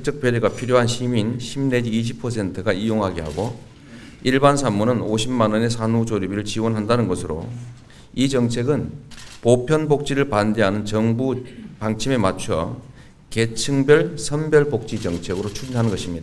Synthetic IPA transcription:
t͡ɕ͈ʌk̚p͈edeɡapʰiɾjoɦanɕʰiminɕʰimne̞d͡ʑiːɕ̬ʰipʰʌs̬ʰe̞ntʰɯɡaijoŋɦaɡeɦa̰ɡo | iɭbans̬ʰamːunɯnoɕʰimːanʌne̞sʰanud͡ʑoɾibiɾɯɭt͡ɕiwʌnɦandanɯnɡʌsʰɯɾo̰ | id͡ʑʌŋt͡ɕʰe̞ɡɯnpopʰjʌnbok̚t͡ɕ͈iɾɯɭpande̞ɦanɯnt͡ɕʌŋbupaŋt͡ɕʰime̞mat͡ɕʰʌ | ke̞t͡ɕʰɯŋbjʌɭsʰʌmbjʌɭbok̚t͡ɕ͈it͡ɕʌŋt͡ɕʰe̞ɡɯɾot͡ɕʰud͡ʑinɦanɯnɡʌɕʰimɲidaa

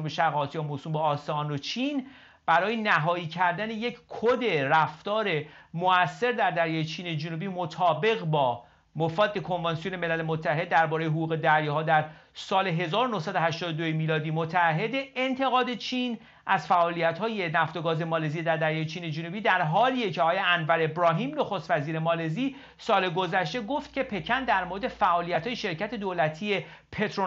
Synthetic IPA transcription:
umbeʃæɣɒːt̪jɒːmosuːmbeːst̪ɒːnot͡ʃʰiːn | b̥æɾɒːjenæɦɒːiːcʰæɾd̪æne̞je̞cʰkʰod̪e̞ræft̪ɒːɾe̞moʔæsːe̞ɾd̪æɾd̪æɾjɒːjet͡ʃʰiːne̞d͡ʒunubiːmot̪ʰɒːbe̞ɣbɒː | mofɒːd̪ːe̞kʰo̞nvɑnsijone̞me̞læle̞mot̪ʰːæɦe̞d̪ːæɾbɒːɾejeɦoɡuːɣe̞d̪æɾjɒɦɒːd̪æɾ | sɒːleɦe̞zɒːɾonohsæd̪ohæʃt̪ɒːd̪od̪ojemiːlɒːd̪iːmot̪ʰæːɦed̪eent̪ʰe̞ɣɒːd̪e̞t͡ʃʰiːn | ʔæzfæʔɒːlijæt̪hɒːje̞næft̪o̞ɡɒːze̞mɒːleziːed̪æɾd̪æɾjɒːjet͡ʃʰiːne̞d͡ʒunubiːd̪æɾɦɒːliːeceɒɒːjeænvæɾebɾɒːɦiːmnoxost̪væziːɾe̞mɒːle̞ziː | sɒːle̞ɡo̞zæʃt̪e̞ɡoft̪cʰe̞pʰe̞cʰænd̪æɾmoɾed̪e̞fæʔɒːlijæt̪ʰhɒːje̞ʃe̞ɾcæt̪ʰe̞d̪oːlæt̪ʰie̞ | pʰe̞t̪ʰɾo

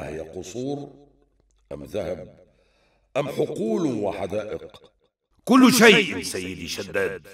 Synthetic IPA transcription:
hɪjːaqʊsˤuːɾ | ʔamðahab | ʔamːħʊquːlwɪħad̪aːʔɪq | kʊlːʃajʔsajːɪd̪iʃad̪ːaːd̪

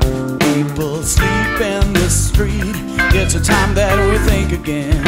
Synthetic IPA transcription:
pʰipl̩ˠslipɪ̃nðəstɹ̥it̚ | ɪtsɨtʰãɪ̃mðɨt̚wiθɪ̃ŋkɨɡɛ̃n

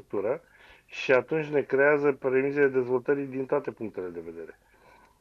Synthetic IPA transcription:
uk̚t̪uɾə | ʃiat̪unt͡ʃʲne̞kɾe̞azəpɾemiseled̪e̞zvo̞lt̪əɾid̪int̪oat̪e̞puŋk̚t̪ele̞d̪e̞ve̞d̪e̞ɾe̞

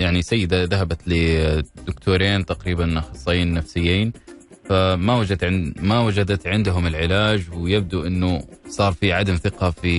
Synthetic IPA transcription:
jaʕnisajːɪd̪aðaɦabat̪lɪd̪ʊkt̪ʰuːɾeːnt̪aqɾiːbanxɑsˤːɑjiːnːafsɪjːiːn | famawad͡ʒat̪ʕɪmawad͡ʒad̪at̪ʕɪnd̪ɦʊmɪlʕɪlaːd͡ʒwɪjɪb̚d̪uʔɪnːʊsˤɑːɾˤfiʕad̪amθɪqɑfi

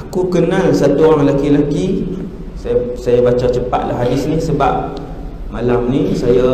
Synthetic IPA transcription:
akukənəsat̪uɣaŋlakilaki | sajsajabat͡ʃat͡ʃəpa̰t̪̚la̰ɦadɪsnihsəba̰p̚ | malamnisaja

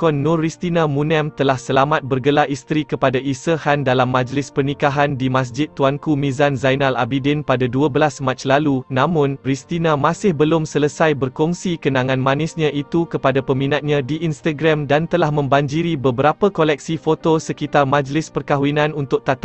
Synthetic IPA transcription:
kɔnːɔ̃rist̪inãmũnɛ̃mt̪əlahsəlamat̪̚bərɡəlaʔist̪ɾikəpadaʔisəhandalamːãd͡ʒlɪspərnikaɦandimãs̬d͡ʒɪt̪̚ːuankumĩzanzajnala̰bidɪnpadaduəbəlasmãt͡ʃlalunãmʊ̃npɾist̪inamãsɪhbəlʊmsələsajbərkɔŋsikənãŋãnmãnɪsɲãʔit̪ukəpadapəmĩnat̪̚ɲãdiʔinst̪aɡɾamdant̪əlahmə̃mbaɲd͡ʒiɾibəbəɾapəkolɛk̚sifot̪osəkit̪armãd͡ʒlɪspərkaɦuinãnunt̪ʊk̚t̪at̪a

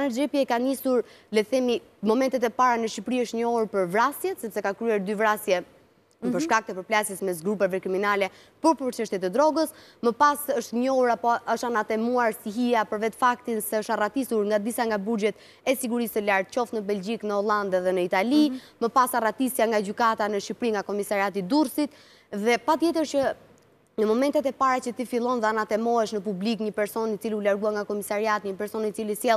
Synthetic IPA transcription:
nɛɾd͡ʒɛpiɛkanisuɾlɛθɛmi | mɔmɛnt̪ɛt̪̬ɛpaɾanəʃipɾiəʃt̪ɲɔhuɾpəɾvɾasjɛt̪sɛpsɛkakɾyɛɾd̪yvɾasjɛ | pəɾʃkak̚t̪əpəɾplasjɛsmɛs̬ɡɾup̬ɛvɛkɾiminalɛ | pəɾpəɾt͡ʃəʃt̪jɛt̪ɛd̪ɾɔɡəsməpasəʃt̪ɲɔhuɾapɔəʃanat̪ɛmuaɾsiɦijapəɾvɛt̪fakt̪insɛəʃt̪arat̪isuɾŋɡad̪isaŋɡabud͡ʒɛt̪ | ɛsiɡuɾisəlaɾt̪̚t͡ɕɔfnəbɛld͡ʑiknəɔlˠand̪ɛðɛnəit̪aliməpasarat̪isjaŋɡad͡ʑykat̪anəʃipɾiŋɡakɔmisaɾiat̪id̪uɾsit̪ | ðɛpat̪jɛt̪̬əɾt͡ʃə | nəmɔmɛnt̪ɛt̪ɛpaɾat͡ɕət̪ifilˠɔnðɛanat̪ɛmɔɦɛʃnəpublikɲəpɛɾsɔnit͡siliulaɾɡuaŋɡakɔmisaɾiat̪iɲəpɛɾsɔnit͡silisjɛlˠ

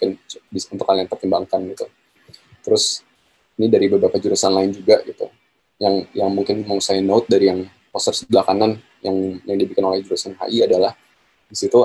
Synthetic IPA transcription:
kɪnbiunt̪ʊkhaliaŋt̪ərt̪imbaŋkanɡit̪u | t̪əɾʊs | inidaɾibəbɾapad͡ʒuɾusanlaɪnd͡ʒuɡaɡit̪ṵ | jaŋjaŋmuŋkɪnməŋusainoʊt̪̚daɾijaŋ | posərsəblakanan | jaŋjaŋdibikɪnolɛhd͡ʒuɾusanɦa̰ʔiadalah | disit̪u

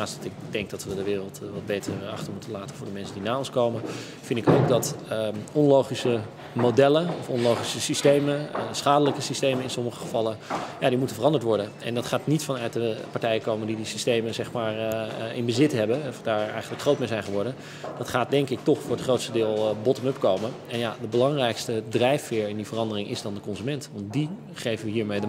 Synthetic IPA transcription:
asttɪk̚dɛŋk̚dɑtʋədəʋɪːrəlˠtʋɑd̚bejtəɹɑχtəɹmutəlaːtənvʊːɹdəmɛnsəndinaːɔnskowmən | fɪndɪkowkdɑtəɔnlowχisə | modɛləɔfɔnlowχisəsistejmənəsχaːdələkəsistejməɪnsɔməχəχəvɑləjadimutənvərɑndəɹtʋɔɹdənɛ̰ndɑtχaːtnitfɑnœɥt̚dəpaɹtɛjəkowməndidisi̥stejməzɛχmaːɹɪ̰nbəzɪtɦɛbənfdaːɹɛjχənləkχrowt̚mejzɛjnχəʋɔɹdən | d̥ɑtχaːt̚dɛŋkɪk̚tɔχfʊːɹətχrowtstədɪːlˠbɔtəmɵpkowmən | ɛnjadəbəlɑŋrɛjkstədrɛjfːɪːɹɪndivərɑndərɪŋʔɪ̰zdɑndəkɔnzymɛntʋɑnt̚di | χejvəʋəɦiːɹmejdə

